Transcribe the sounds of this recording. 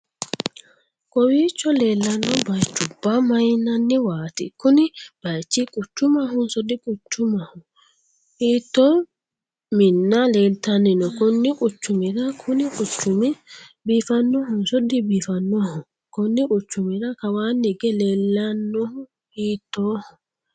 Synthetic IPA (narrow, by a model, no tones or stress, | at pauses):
kʼɔwiːt͡ʃːɔleːlːɐnːɔbɐjt͡ʃːʊbːɐmɐjnɐnːɪwaːt̪ɪ̰kʊnɪb̥ɐjt͡ʃːikʼʊt͡ʃːʊmɐɦʊnsɔd̪ɪkʼʊt͡ʃːʊmɐhʊ | hiːt̪ːoː | mɪnːɐleːlt̪ɐnːɪnɔkʊnːɪkʼʊt͡ʃːʊmɪɾɐkʰʊnɪkʼʊt͡ʃːʊmɪ | biːfɐnːɔhʊnsɔd̪ɪbiːfɐnːɔhʊ | kʊnːɪkʼʊt͡ʃːʊmɪɾɐkɐwaːnːɪɡɛleːlːɐnːɔhʊ | hiːt̪ːoːhʊ